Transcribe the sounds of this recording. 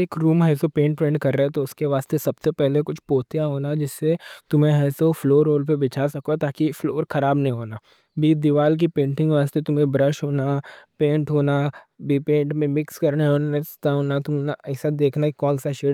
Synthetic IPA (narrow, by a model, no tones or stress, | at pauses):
eːkɾuːmɦɛːsopẽːɳʈ̚pɾẽːɳɖkɐɾːəɦɛ̃t̪oʊskeʋaːst̪esɐbsepɛɦlekʊt͡ʃʰpoːt̪ijaɦoːnad͡ʒɪsːet̪ʊmẽɛːsofloːɾːoːlp̬ebɪt͡ʃʰasɐkot̪aːkifloːɾxɐɾaːbnɐɦĩɦoːnaː | bʱiːd̪ɪʋaːlk̬ipẽːɳʈɪ̃ŋɡʋaːst̪et̪ʊmẽbɾəʃɦoːnapẽːɳʈɦoːna | bipẽːɳʈmẽmɪkskɐɾneĩɦoːnast̪aɦoːnat̪ʊmnɛːsad̪eːkʰnakikɔ̃ːlsaʃe